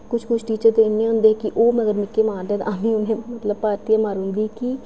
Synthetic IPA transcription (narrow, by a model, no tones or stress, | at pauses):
kʊt͡ʃʰkʊt͡ʃʰʈiːt͡ʃəɾt̪eːɪnːẽːɦʊ̃nd̪eːkɪʔoːm̃ːəɡəɾmɪkːeːmãːnd̪ẽːt̪ʔaːmĩːʊnẽːmət̪ləb̚paːɾt̪ijaːmaːɾɦʊ̃nd̪iːki